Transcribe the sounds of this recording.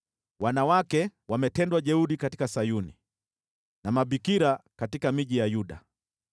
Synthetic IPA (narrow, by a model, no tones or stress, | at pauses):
wanawakɛwamɛtɛndwaʄɛuɗikati̥kasajunḭ | namaɓikiɾakatikamiʄijajuɗa